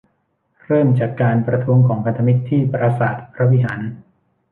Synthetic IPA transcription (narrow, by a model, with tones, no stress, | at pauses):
ɾɤː˥˩mt͡ɕaː˨˩kːaː˧npɾa˧t̪ʰu˦˥əŋkʰɔː˩˦ŋpʰa˧nt̪ʰa˧mi˦˥t̪ʰːiː˥˩pɾa˧saː˨˩t̪̚pʰɾa˦˥wi˦˥ɦaː˩˦n